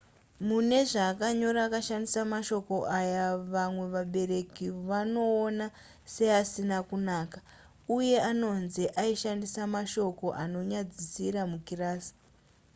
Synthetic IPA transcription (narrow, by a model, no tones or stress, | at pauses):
mune̞ʐaːkaɲo̞ɾaːkaʃandisamaʃo̞ko̞ʔajaʋamwe̞ʋaɓe̞ɾe̞kiʋano̞ːna | se̞asinakunaːka | uje̞ano̞nziʔaiʃandisamaʃo̞ko̞ʔano̞ɲad͡zisiɾamukiraːsi̥